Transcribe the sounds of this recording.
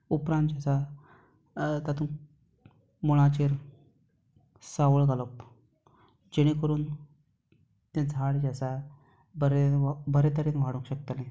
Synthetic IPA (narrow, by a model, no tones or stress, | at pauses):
upɾãnt̪d͡ʑasa | t̪at̪ũː | muɽ̃at͡ɕeɾ | saʋəɭɡaləp | d͡ʑeɽ̃ikəɾuːn | t̪ẽd͡zʱaɽd͡ʑasa | bəɾebəɾet̪əɾenʋaɽũkɕək̚t̪əlẽ